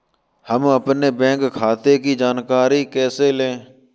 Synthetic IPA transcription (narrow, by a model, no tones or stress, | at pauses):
həməpneːbɛ̃ːŋkkʰːaːt̪ekid͡ʒaːnkaːɾikɛːseːlẽː